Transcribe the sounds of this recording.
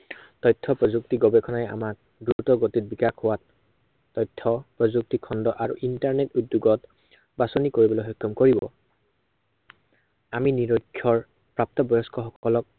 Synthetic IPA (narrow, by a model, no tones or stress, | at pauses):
tɔjtʰːɔpɹɔzuk̚tiɡɔbɛkʰɔnaɛa̰mak̚ | duutɔɡotit̚bikakhʊwatː | ɔjtʰːɔpɹɔzuk̚tikʰɔndɔʔaɹṵʔintaɹnetudːjuɡɔt | basɔnikoɹibɔlɔɦɔjkʰːɔmkoɹibɔ̰ | aminiɹɔjkʰːjɔɹ | pɹap̚tɔbɔjɔskʰɔxɔkɔlɔk̚